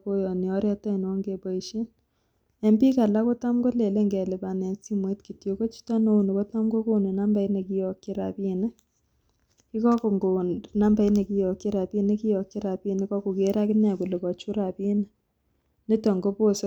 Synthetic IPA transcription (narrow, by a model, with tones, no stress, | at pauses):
ko˦jɔ˨ni˨ɔ˦ɾɛ˦tɔ˦˨n˨wɔ˦ŋɡe˨bɔ˨i˨ʃi˦n | e˦mbi˦ka˨la˦ko˦ta˦mɡo˦le˨le˦ŋɡɛ˨le˨ba˨nɛ˨nsi˦mo˨i˦tki˨tjo˨ko˦t͡ʃi̥tɔ˦no˦u˨no˨ko˦ta˦mɡo˦ko˦ne˨na˦mba˨˦ine˨ki˦jɔ˨kːɪ˦ɾa̰˨pi˦ne˦ | i˦kɔ˦ko˨ŋɡo˨nna˦mba˨i˦ne˨ki˦jɔ˨ki˦ɾa˨pi˦ne˦ki˦jɔ˨kːɪ˦ɾa˨bi˦ne˦kɔ˦ku˨ke˦ɾa˦kɪ˦na˨ku˨le˨kɔ˨t͡ʃu˦ɾa˨pi˦n˦ | ne˦tɔ˨ŋɡo˦po˦s